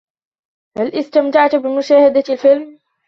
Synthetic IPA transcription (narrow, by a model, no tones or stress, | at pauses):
hælʔɪst̪amt̪aʕt̪ʊbɪmʊʃaːhad̪alfɪlm